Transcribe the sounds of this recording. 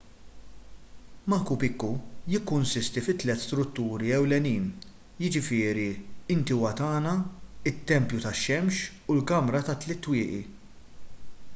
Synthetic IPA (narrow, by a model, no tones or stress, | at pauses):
mɐkupɪkːujɪkːʊnsɪst̪ifɪt̪ːlɛt̪ːst̪ɾʊt̪ːuːɾiɛwlɛniːn | jɪd͡ʒɪfɪːɾiɪnt̪iwɐt̪ɐːnɐɪt̪ːɛmpjut̪ɐʃːɛmʃ | ʊlkɐmɾɐt̪ɐt̪ːlɛt̪ːwɪːʔi